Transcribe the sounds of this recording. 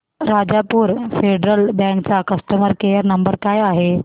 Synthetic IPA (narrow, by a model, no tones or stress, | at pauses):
ɾad͡ʑapuːɾfeɖɾəlbɛ̃ŋkt͡sakəst̪əməɾkejəɾnəmbəɾkajaɦe